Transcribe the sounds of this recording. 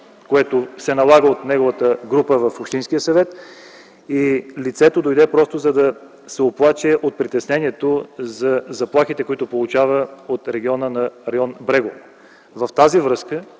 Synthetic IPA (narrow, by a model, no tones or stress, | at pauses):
koɛt̪osɛnɐlˠaɡəot̪nɛɡovət̪əɡɾupəvɐfopʃt̪inskijəsɐvɛt̪ | ilit̪sɛt̪od̪ojd̪ɛpɾɔst̪ozɐd̪ɐ | sɛoplˠat͡ʃɛʔot̪̚pɾit̪ɛsnɛniɛt̪ozɐzɐplˠaxit̪ɛkoit̪ʊpolˠut͡ʃavəot̪ɾɛɡʲiɔnənɐɾɛɔnbɾɛɡo | vɐft̪azivɾɤskə